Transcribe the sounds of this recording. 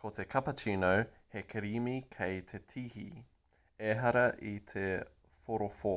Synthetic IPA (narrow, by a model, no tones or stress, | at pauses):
kʰot̪ekʰɐpɐt͡ʃinow | hekʰeɾimikʰejt̪ʰet̪ʰihḭ | eɦɐɾɐʔit̪ʰe | foɾofo